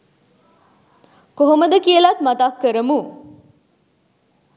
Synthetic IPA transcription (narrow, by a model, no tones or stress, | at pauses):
koɦoməd̪əkiəlat̪mat̪akːəɾəmu